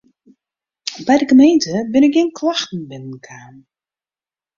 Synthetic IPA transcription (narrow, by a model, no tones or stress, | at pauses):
bɛjdəɡəmejntəbɪnɪkjeːnklaxtn̩bɪnənkʰaːn